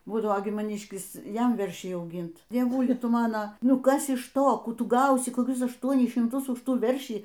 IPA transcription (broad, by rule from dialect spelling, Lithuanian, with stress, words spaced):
ˈbuːdɐʋoː ɡʲɪ mɐˈnʲiːʃʲkʲɪs ˈjɛm ˈʋʲɛrʲʃʲɛɪ ɐʊˈɡʲɪnt dʲiɛˈʋʊlʲɪ ˈtʊ ˈmɑːnoː ˈnʊ ˈkɐs ɪʃ ˈtoː ˈkuː ˈtʊ ˈɡɐʊsʲɪ koːˈkʲʊs ɐʃˈtuɔnʲɪs ʃʲɪmˈtʊs ʊʃ ˈtuː ˈʋʲɛrʲʃʲiː